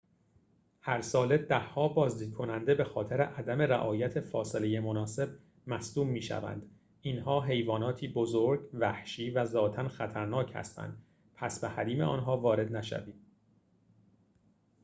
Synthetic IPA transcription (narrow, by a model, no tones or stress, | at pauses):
hæɾsɒːle̞d̪æhːɒːbɒːzd̪iːd̪̥̚kʰo̞nænd̪e̞be̞xɒːt̪ʰeɾeʔæd̪æme̞ɾæʔɒːjæt̪ʰefɒːselejemonɒːse̞b̚ | mæsd̪uːbmiːʃæ̰væ̰nd̪ | inɦɒːɦe̞jvɒːnɒːt̪ʰiːbo̞zoɾɟvæhʃiːvæzɒːt̪ʰænxæt̪ʰæɾnɒːcʰhæ̰st̪æ̰nd̪ | pʰæsbehæɾiːmeʔɒ̰ːnɦɒːvɒːɾe̞d̪næʃæ̰viːd̪̥